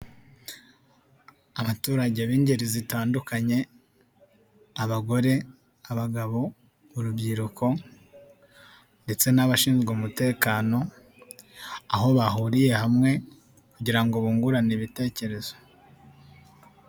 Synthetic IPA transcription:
aβatuːɾaɟe̞βiːɲɟeɾizitaːndukaɲe̞ | aβaɡo̞ɾe̞ | aβaɡaβo̞ | uɾubɟiɾukʰo̞ | nde̞t͡se̞naβaʃiːnzɡoːmute̞ːkaːno̞ | aɦo̞βaɦuɾije̞hamŋe̞ | kuɟiɾaŋɡoβuːŋɡuɾaniβite̞ːce̞ɾe̞z̥o

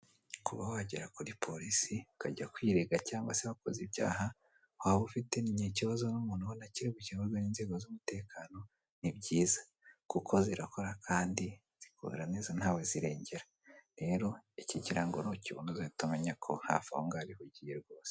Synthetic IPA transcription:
kuβawaɟiɾakuɾipʰo̞ɾisiukaɟakwiːɾeɡacaːŋɡwaseβako̞zibɟa̰ːɦa | waβufite̞niɲeciβazo̞numuːn̥uβonaciɾiβuciβazoniːnze̞ːɡozumute̞ːkʰaːno̞ | nibɟiːzḁ | kukʰo̞ziɾako̞ɾakʰaːndi | z̥ikṵɾaneːzan̥haːweziɾe̞ːɲɟe̞ɾa | ɾe̞ːɾo̞iciɟiɾaŋɡonociβṵnuziitumeɲakʰo̞ha̰fṵŋɡaβihuɟijeɾɡo̞ːse̥

